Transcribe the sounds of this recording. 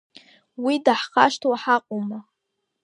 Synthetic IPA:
widaħχaʃtʰwaħaqʼoma

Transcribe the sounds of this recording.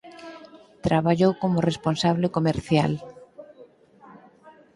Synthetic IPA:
t̪ɾaβaʎowkomʊresponsaβlekomeɾθja̰l

